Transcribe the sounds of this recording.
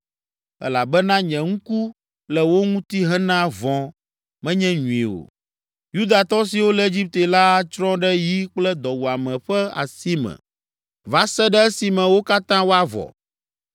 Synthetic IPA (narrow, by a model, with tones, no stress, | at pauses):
ɛ̰˦la˨bɛ˦nã˦ɲɛ̃˨ŋũ˦ku˦ | lɛ˨wo˦ŋũ˦t̪i˦ɦɛ̃˦nã˦vɔ̃˨ | mɛ̃˦ɲɛ̃˦ɲũ˨ḭ˨o̰˨ | ju˦d̪a˨t̪ɔ˦si˨wo˦lɛ˨e˦d͡ʑi˦p̚t̪e˨la˦t͡ʃɾɔ̃˦ɖɛ˦ji˦k͡plɛ˦d̪ɔ˨wu˨a˨mɛ̃˨ɸɛ˦a̰˨si˦mɛ̰̃˨ | va˨sɛ˦ɖɛ˦ɛ˦si˨mɛ̃˨wo˦ka˦t̪ã˦wo˦a˦vɔ̰˨